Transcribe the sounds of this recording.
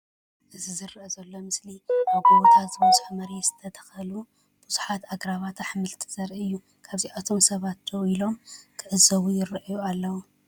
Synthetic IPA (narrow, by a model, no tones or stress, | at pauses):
ʔɨzizɨɾɨʔɐzɐlːo̞mɨsliʔaβɡoβot̪ʰat̪zɨmzʼħmɐɾez̥ɨ̥t̪ʰɐt̪ʰɐ̥xɐlu | b̥ʊz̥uħat̪aɡɾaβat̪ʰaħmɨlt̪ʰiz̥ɐɾɨjːu | kʰaβziʔat̪ʰo̞msɐβat̪ːɐwilo̞mkʰɨʕɨzɐwujɪɾɨʔjualːɐwu